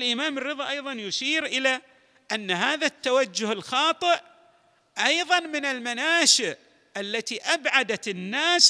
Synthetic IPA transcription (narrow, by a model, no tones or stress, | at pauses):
lʔɪmaːmɪrːɨðˤɑʔɑjðˤɑnjʊʃiːɾʔɪla | ʔanːaɦaːðat̪ːawad͡ʒːʊhɪlxɑːt̪ˤɨʔ | ʔɑjðˤɑnmɪnɪlmanaːʃɪʔ | ʔalːat̪iʔabʕad̪at̪ɪnːaːs